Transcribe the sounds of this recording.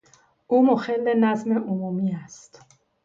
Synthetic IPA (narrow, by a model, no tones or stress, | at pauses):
uːmoxelːenæzme̞ʔomuːmiːæst̪